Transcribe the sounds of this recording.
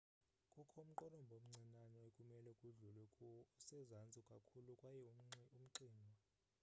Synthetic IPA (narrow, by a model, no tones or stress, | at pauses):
kʼukʰɔm̩ǃɔnɔmbʱom̩ŋ͡ǀʱinanɔekʼumɛlɛkʼuɮulwɛkʼuusɛzand͡zʱʼukʼakʰulukʼwajɛum̩ǀiːmʱa